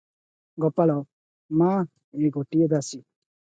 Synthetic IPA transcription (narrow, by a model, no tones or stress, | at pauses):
ɡɔpalaw | mã | eɡoʈied̪asi